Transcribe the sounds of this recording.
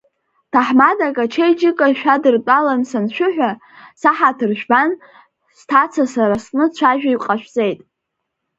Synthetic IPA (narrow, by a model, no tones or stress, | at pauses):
tʰaħmadakʼat͡ʃʰejd͡ʒɪkʼaʃᶣadɨrt͡pʷʼalansanʃʷᶣʊħᶣʷa | saħatʰɨrʒᶣban | stʰat͡sʰasaɾasnɨt͡ɕʷʰaʒᶣaiqʼaʃᶣt͡sʼe̞jtʼ